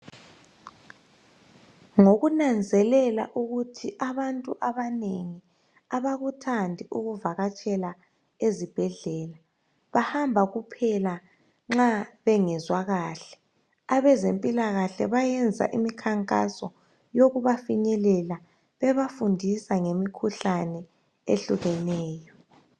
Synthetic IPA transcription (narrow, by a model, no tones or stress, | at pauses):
ŋoɣunand͡zʱɛlɛla̰ʔuɣutʰiʔaβantʼuʔaβaneŋi | aβaɣutʰandʱiuɣuvaɣat͡ʃʼɛla | ezib̥ʱɛɮɛːla | βahambʱaɣupʰɛla | ŋ͡ǁaβɛŋɛzwaɣaːɬɛ̥ | aβɛzempʼilaɣaɬɛβajɛnd͡zʱa̰ʔimikʰaŋkʼa̰sɔ | joɣuβafiɲɛlɛla | βɛβafundʱisaŋemikʰuɬanɛ | eɬuɣɛnɛːjɔ